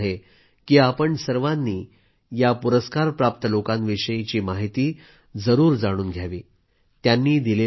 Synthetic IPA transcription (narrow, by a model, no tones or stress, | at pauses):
ɦe | kiːapəɳsəɾʋanːiː | japuɾəskaɾpɾap̚t̪əlokãnʋiʂəjit͡ɕiːmaɦit̪iː | d͡zəɾuːɾd͡zaɽ̃uːnɡʱjaʋiː | t̪janːiːd̪ile